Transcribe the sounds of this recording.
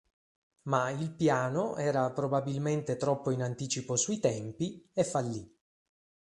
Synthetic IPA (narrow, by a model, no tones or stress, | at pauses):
mailpjaːnoʔɛːɾapɾobabilment̪et̪ɾɔpːoinant̪iːt͡ʃiposuit̪ɛmpiefːalːi